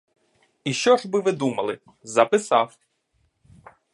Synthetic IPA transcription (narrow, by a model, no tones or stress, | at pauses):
iʃt͡ʃɔʒbɪʋɪd̪umɐlˠɪ | zɐpɪsɑw